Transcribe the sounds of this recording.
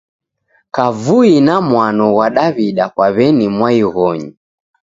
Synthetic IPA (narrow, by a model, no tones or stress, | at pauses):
kavuinamwanɔɣwaɗaβiɗakwaβɛnimwaiɣɔɲi